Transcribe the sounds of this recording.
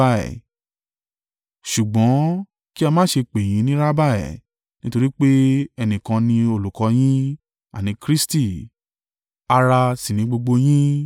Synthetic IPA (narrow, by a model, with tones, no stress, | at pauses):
a˦˨ɛ̰˨ | ʃu˨ɡ͡bɔ̃˨˦ | ki˦a˧mãː˦ʃe˧k͡pe˨j̃ĩ˨˦nĩ˦ɾa˦ba˦˨ɛ̰˨ | nĩ˦to˧ɾi˦k͡pe˦ɛ˧nĩ˨kã˧nĩ˧o˧lu˨kɔ˨˧˦j̃ĩ˦ | a˨nĩ˧˦kɾi˦sti˦˨ | a˧ɾa˧sĩ˨nĩ˨˧˦ɡ͡bo˧ɡ͡bo˧j̃ĩ˦